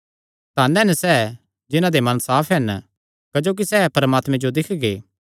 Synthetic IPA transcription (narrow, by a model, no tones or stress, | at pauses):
t̪aːnɛɦɛnɛsɛ | d͡ʒɪnãd̪emɐ̃nsaːpʰɦɛn | kɐd͡ʒoːk̬isɛːpɐɾəmaːt̪mɛ̃d͡ʒod̪ɪkʰɡeː